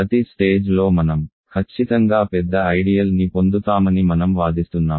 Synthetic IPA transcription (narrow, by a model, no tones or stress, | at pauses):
pɐt̪isʈeːd͡ʒlo̞ːmɐnɐm | kʰɐt͡ʃːit̪ɐŋɡaːpɛd̪ːɐɐjɽijɐlnipo̞nd̪ut̪aːmɐnimɐnɐmʋaːd̪ist̪unːaːm